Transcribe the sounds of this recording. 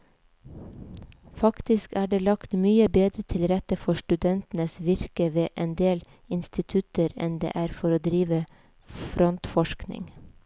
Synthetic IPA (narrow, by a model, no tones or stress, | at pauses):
fɑkt̪ɪskæːɖeːlɑkt̪myːəbeːd̪ɾət̪ʰɪlɾɛt̪əfɔʃʈʉd̪ɛnt̪n̩əsʋɪɾkəʋeːʔɛnd̪eːl | ɪnst̪ɪt̪ʰʉt̪əɾɛ̰nd̪ḛːʔæːɾfɔɾoːd̪ɾiːʋə | fɾɔnt̪fɔʃknɪ̰ŋ